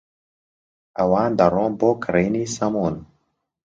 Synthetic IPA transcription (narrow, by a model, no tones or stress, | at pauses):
ɐwaːnd̪ɐɾoːmboːkɾeniːsɐmon